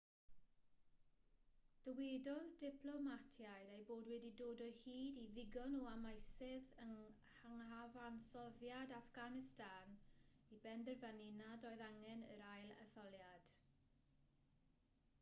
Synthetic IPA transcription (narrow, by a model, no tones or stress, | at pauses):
d̥əwedɔðdɪpʰlˠɔmatʰjaɨdejboːdwɛdidoːdɔhiːdiðɪɡɔnuamajsɪðəŋ | haŋavansɔðjadafɡ̥anɪstʰan | ibɛndɛrvaninadɔɨðaŋɛnə̰ɾajlˠə̰θɔlˠjad̥